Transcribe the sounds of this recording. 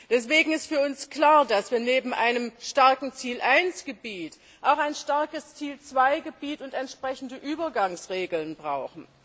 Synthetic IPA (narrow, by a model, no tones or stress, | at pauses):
d̥ɛsv̥eːɡŋ̩ɪstfyːɐʊnskl̥aːɐdasv̥iːɐneːbm̩ʔa̰ɪnəmʃtaɐkŋ̩t͡siːlʔaɪnsɡ̥əbiːt | ʔaʊxaɪnʃtaɐkəst͡siːlt͡sv̥aɪɡəbiːtʊntɛntʃpʁ̥ɛçn̩dəʔyːbɐɡaŋsʁeːɡl̩nbʁaʊxn̩